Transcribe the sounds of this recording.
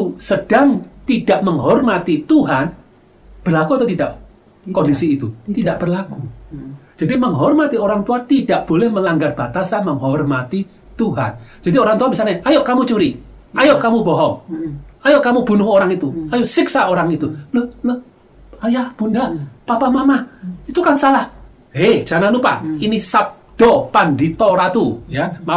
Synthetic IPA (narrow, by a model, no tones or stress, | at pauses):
səd̥aŋt̪idaʔməŋɦɔrmat̪it̪uɦan | b̥ərlakuat̪awt̪idaʔ | kondisiːt̪ut̪idaʔb̥ərlaku | d͡ʒ̥adiməŋɦɔrmat̪ioɾaŋt̪uant̪idaʔb̥olɛhməlaŋɡarb̥at̪asanməŋɦɔrmat̪i | t̪uɦa̰nd͡ʒadioɾaŋt̪uabisaaɲaʔajoʔkamut͡ʃuɾi | ajoʔkamubɔɦɔŋajoʔkamub̥unʊhoɾaŋit̪uajʊʔsiksaoɾaŋit̪ulohloh | ajahb̥undapapamamahit̪ukansalah | hed͡ʒananupa̰inisap̚d̥ɔpandit̪oɾat̪ujama